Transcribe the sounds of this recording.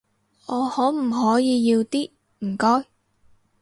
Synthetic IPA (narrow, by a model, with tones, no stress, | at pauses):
ɔː˨˧hɔː˨˥m̩˨˩ɦɔː˨˥jiː˨˧jiː˧wt̪iː˥ | m̩˨˩kɔː˥j